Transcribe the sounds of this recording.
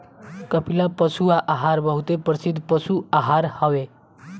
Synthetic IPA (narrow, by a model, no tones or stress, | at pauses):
kʌpilapəsuaʔaɦaɾbəɦut̪epɾʌsid̪ʱpʌsuaɦaɾhʌwe